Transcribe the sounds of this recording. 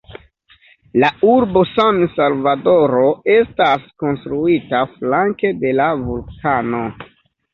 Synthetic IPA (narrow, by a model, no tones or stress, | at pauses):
lauɾbo̞sansalvado̞ɾo̞e̞stasko̞nstɾuitaflaŋke̞de̞lavulkano̞